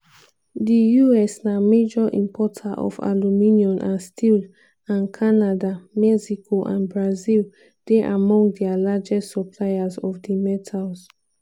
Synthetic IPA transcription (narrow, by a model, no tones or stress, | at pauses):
dijuɛsnamed͡ʒɔʔḭ̃mpʰɔtʰaʔɔ̰fa̰luminiɔ̃nʔãnstʰil | ãnkʰanadamɛsikʰoʔã̰nbɹazil | d̥eʔamɔ̃ŋɡdɛalad͡ʒɛstsɔpʰlaɪazɔfdimɛtʰalz